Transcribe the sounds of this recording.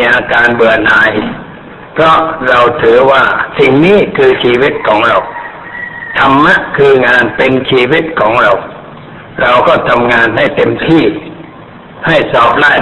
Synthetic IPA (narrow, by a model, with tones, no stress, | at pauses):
ʔaː˧kaː˧nbɯ˨˩ɐnaː˨˦j | pʰɾɔ˦˧˥ɾa˧wt̪ʰɯː˨˦waː˧˩si˨˩ŋniː˥˨kʰɯː˧t͡ɕʰiː˧wi˦˥t̪̚kʰɔː˩˨˦ŋɾa˧w | t̪ʰa˧mːa˦˥ʔkʰɯː˧ŋaː˧npe˧nt͡ɕʰiː˧wi˦˥t̪̚kʰɔː˩˦ŋɾa˧w | ɾa˧wkʰɔː˧˥˩t̪ʰa˧mŋaː˧nha˥˩jt̪e˧mt̪ʰiː˧˥˩ | ha˥˩jsɔː˧˩p̚laː˧˩